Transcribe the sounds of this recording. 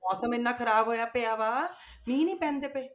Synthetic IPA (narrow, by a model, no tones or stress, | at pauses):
mɔːsəmɪnːãːkʰəɾaːbɦoːjaːpeaːʋaː | mĩːnĩːpɛ̃ːnd̪eːpeː